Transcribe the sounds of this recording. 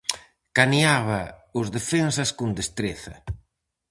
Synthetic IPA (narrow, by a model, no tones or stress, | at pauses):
kaniaβaʊzðefensɐskond̪est̪ɾeθɐ̰